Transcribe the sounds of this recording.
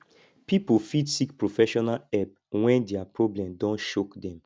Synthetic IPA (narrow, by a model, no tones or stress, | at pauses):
pipofitsikpɹofɛʃɔnalɛp | wɛ̃ndɛapɹɔblɛ̃mdɔ̃nʃokdɛ̃m